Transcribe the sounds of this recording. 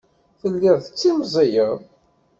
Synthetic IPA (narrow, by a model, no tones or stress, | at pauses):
θəlːɪðˤθət͡sːimzˤijəʁ